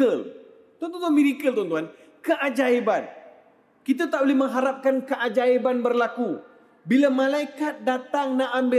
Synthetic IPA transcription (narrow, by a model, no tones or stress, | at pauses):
əl | t̪uant̪ɔnt̪uamiɾikəlt̪uant̪uɦan | kəʔad͡ʒaeban | kit̪at̪aʔbolɪhməŋɦaɾap̚kankəʔad͡ʒaebanbərlaku | bilamãlaikat̪̚dat̪aŋnaʔambɪ